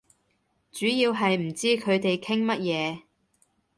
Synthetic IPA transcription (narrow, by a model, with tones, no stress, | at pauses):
t͡ʃyː˨˥jiː˧wɦɐ˨jm̩˨˩t͡siː˥kʰɵ˨˧ɥt̪e˨jkʰɪ˥ŋmɐ˥t̚jɛː˨˧